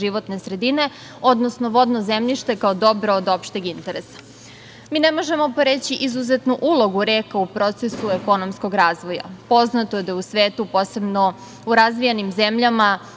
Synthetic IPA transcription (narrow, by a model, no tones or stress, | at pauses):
iʋo̞t̪ne̞sɾe̞d̪ine̞ | od̪nosno̞ʋo̞d̪nozemʎiʃt̪e̞kaod̪o̞bɾood̪o̞pʃt̪eɡint̪e̞ɾesḁ | miːnemo̞ʒe̞mo̞poɾet͡ɕiʔizuzet̪nuʔulˠo̞ɡuɾeːkaupɾo̞t̪se̞sueko̞no̞msko̞ɡɾaːzʋo̞ja̰po̞znat̪oed̪ajeusʋeːt̪upoːse̞bno̞ | uɾazʋijenimze̞mʎama